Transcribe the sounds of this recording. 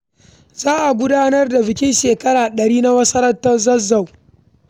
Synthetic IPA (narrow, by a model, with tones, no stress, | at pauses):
zaː˦ʔa˨ɡʷʊ˦daː˦nɐ˦rda˨bɪ˨kʲɪ˦nʃeː˨kɐ˦ɾaː˨ɗɐ˨ɾiː˦na˦wɐ˦sɐ˦ɾɐ˦tːɐ˦zɐ˦zːɐ˨w